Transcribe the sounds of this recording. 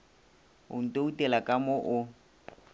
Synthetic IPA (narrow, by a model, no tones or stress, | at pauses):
ʊ̰n̩tʼoutʼɛlakʼamoʔʊ